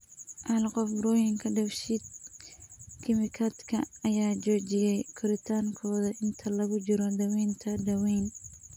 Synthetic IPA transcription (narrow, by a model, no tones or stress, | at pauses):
ʔɐlqɔfbɾɔːjɪŋkʰɐɖɐwʃid̪̚ | kʰɪmɪkʰɐd̪kʰɐɐjaːd͡ʒɔːt͡ʃɪjɛjkʰʊɾɪt̪ʰaːŋkʰɔːðɐʔɪnt̪ʰɐlɐɣʊd͡ʒɪɾɔd̪ɐwɛjnt̪ʰɐd̪ɐwɛjn